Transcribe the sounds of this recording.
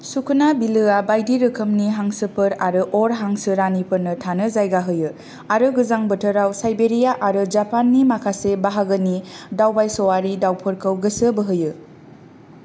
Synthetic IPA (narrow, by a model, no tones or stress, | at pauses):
sukʰunabilɯabajdiɾɯkʰəmniɦaŋsɯpʰɯɾaɾɯʔoɾɦaŋsɯɾanipʰɯɾnɯtʰanɯzajɡaɦɯjɯ | aɾɯɡɯzaŋbətʰəɾawsajbeɾijaʔaɾɯd͡ʒapanːimakʰasebaɦaɡɯnidawbajsowaɾidawpʰɯɾkʰəwɡəsɯbɯɦɯjɯ